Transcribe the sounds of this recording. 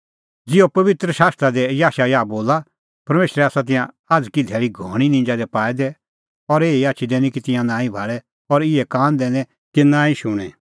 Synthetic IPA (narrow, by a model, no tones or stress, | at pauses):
d͡zɪopɐʋɪt̪ɾəʃaːst̪ɾad̪ɛjaːʃajaːboːla | pɐɾmeːʃɾɛaːsat̪ɪ̃jã | aːd͡zkid̪ʱɛːɭiɡʱɔːɽ̃inɪ̃nd͡ʒad̪ɛpaːɛd̪ɛ | ɔɾeːiaːt͡ʃʰid̪ɛːnĩkit̪ɪ̃jãnãːĩbʱaːɭɛ | ɔɾɪɛkãːnd̪ɛːnɛ̃ | kɪnãːĩʃʊɽ̃ɛ̃